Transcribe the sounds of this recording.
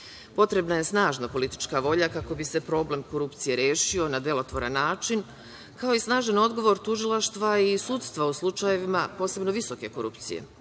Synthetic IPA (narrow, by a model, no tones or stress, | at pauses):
po̞t̪ɾe̞bnaje̞snaːʒnapo̞lit̪i̥t͡ʃkaʋo̞ʎakako̞bise̞pɾo̞ble̞mko̞ɾupt̪sije̞ɾje̞ːʃio̞nad̪e̞lˠo̞t̪ʋo̞ɾanːaːt͡ʃin | kao̞isnaːʒano̞d̪ɡo̞ʋo̞ɾt̪uʒilˠaʃt̪ʋaisut̪st̪ʋauslˠut͡ʃaje̞ʋimapo̞ːse̞bno̞ʋiso̞ke̞ko̞ɾṵpt̪sije̞̰